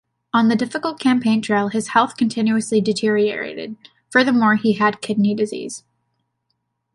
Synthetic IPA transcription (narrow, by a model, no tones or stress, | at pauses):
ə̃nðɨdɪfəkl̩ˠt̚kʰæ̃mpʰẽɪ̃ntʰɹ̥eɪlˠɨz̥hɛlˠθkʰn̩tʰɪ̃njʉɨslidɨtʰɪɹiə̰˞ḛɪɾɨ̰d̥̚ | fə˞ðə˞mɔɹiɨd̚kʰɪdⁿnidɨzḭz̥